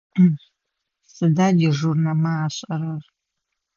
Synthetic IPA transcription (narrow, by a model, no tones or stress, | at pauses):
sɨdaːdiʐurnɐmaːɕʼɐɾɐr